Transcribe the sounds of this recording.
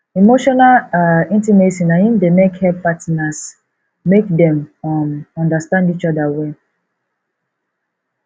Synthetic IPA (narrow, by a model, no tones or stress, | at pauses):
imoʃɔnalĩntimesĩnajĩndemekhɛpatnas | mekdɛ̃mɔ̃nɔ̃ndastãndit͡ʃɔdawɛ